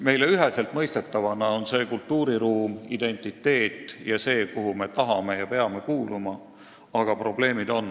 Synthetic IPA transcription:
me̞jleyɦese̞lt̪mɤjst̪e̞t̪ːɑvɑnɑonse̞ːkult̪ːuːɾiɾuːmid̪̥e̞nʲt̪ˑit̪ːe̞ːt̪ːˑjɑse̞ːkuɦume̞t̪ɑɦɑme̞jɑpe̞ɑme̞kuːlumɑ | ɑɡ̥ɑpro̞ble̞ːmid̪o̞n

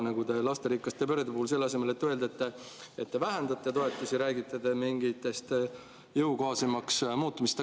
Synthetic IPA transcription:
nɑɡud̪e̞lɑst̪e̞ɾikːˑɑst̪ːˑepøɾed̪epuhuls̬e̞lːɑse̞me̞le̞t̪ːø̞ld̪et̪ːe | et̪ːevæɦend̪ɑt̪ːˑet̪o̞e̞t̪ːˑusiɾæːɡit̪ːˑed̪e̞miŋɡit̪ːˑe̞st̪ | jɤwkoɑsemɑksmuːt̪ːˑumist̪e

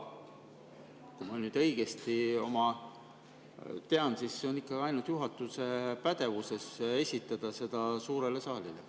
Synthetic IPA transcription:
kumɑnyːd̪ɤ̞jɡ̥e̞st̪io̞̰mɑ | t̪e̞ɑnsisːeo̞nikːˑɑɡ̥iɑjnult̪juɦɑt̪ːˑuse̞pæd̪̥e̞vuse̞se̞sʲit̪ːˑɑd̪̥ɑse̞d̪̥ɑsuːɾe̞le̞sɑːlilḛ

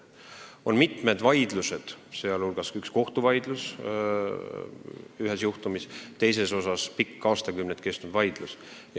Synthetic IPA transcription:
o̞nmit̪ˑme̞d̪vɑjd̪luse̞d̪̥se̞ɑlulɡ̥ɑsyksko̞ht̪uvɑjd̪̥lus | yɦesjuht̪umist̪e̞js̬e̞so̞sɑspikˑːɑːst̪ɑkymnet̪ːˑke̞st̪nud̪̥vɑjd̪̥lusj

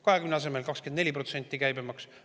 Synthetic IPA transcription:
kɑɦe̞kymneɑse̞me̞lkɑkskend̪nelʲipro̞t̪se̞nʲt̪ːˑikæjbemɑks

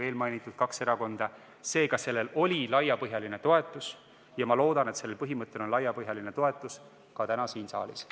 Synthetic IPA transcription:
e̞ːlmɑjnit̪ːˑud̪̥̚kɑkse̞ɾɑko̞nd̪̥ɑ | se̞ːɡɑse̞lːe̞lo̞lʲilɑjːɑpɤɦjɑline̞t̪o̞e̞t̪ːˑus | jɑmɑlo̞ːd̪̥ɑne̞t̪se̞lːelpɤɦimɤt̪ˑːe̞lo̞nlɑjɑpɤɦjɑline̞t̪o̞e̞t̪ːˑus | kɑt̪ænɑsiːnsɑ̰ːlis

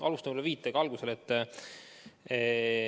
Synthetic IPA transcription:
ʔɑlust̪ɑmlːeviːt̪ːˑeɡ̥ɑlɡ̥use̞let̪ː

